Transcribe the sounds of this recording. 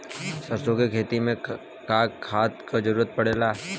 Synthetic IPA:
səɾsokekʰeːt̪imẽ | kaːkkʰaːt̪kad͡ʒəɾuːɾət̪̚pɐɽeːlaː

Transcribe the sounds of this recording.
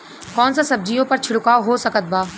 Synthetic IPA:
kɔːnsãsɐb̚d͡ʒijõpɐɾt͡ʃʰʊɽʊkaːoɦoːsɐkət̪̚baː

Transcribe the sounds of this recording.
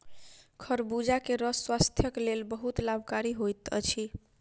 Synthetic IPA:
kʰəɾbud͡ʒakeɾəswast̪ʰjəklelbəɦut̪labkaɾiɦojt̪ə̰t͡ʃʰi

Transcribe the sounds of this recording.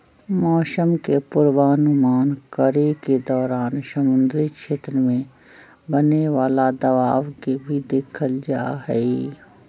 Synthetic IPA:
mɔːsəmkepʊɾwaːnumaːnkəɾeked̪ɔːɾaːnsəmʊ̃nd̪ɾikʃeːt̪ɾəmẽ | bəneʋaːlad̪ɐʋaːʋkebʱid̪eːkʰəld͡ʒa̰ːɦɛi

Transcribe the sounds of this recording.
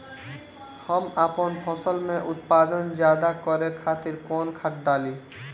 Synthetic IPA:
həmapənpʰəsəlmẽʔʊt̪paːd̪ənd͡ʒjaːd̪akɔɾekʰaːt̪ɪɾkoːnkʰaʈ̚ɖ̪aːliː

